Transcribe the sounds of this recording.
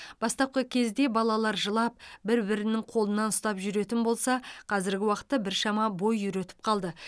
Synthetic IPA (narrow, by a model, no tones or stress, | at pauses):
b̥ɑst̪ɑp̚qəkʲʰe̞zd̪e̞bɑlˠɑlˠɑɾʒəlˠɑp̚bɪɾbɪɾɪnɪŋqʰo̞lˠənɑnʊst̪ɑpʒʏɾe̞t̪ɪnbo̞lˠsɑqʰɑzɪɾɡʲɪwɑqə̥t̪ːɑbɪɾʃɑmɑbo̞jːʏɾe̞t̪ɪ̥p̚qʰɑlˠd̪ə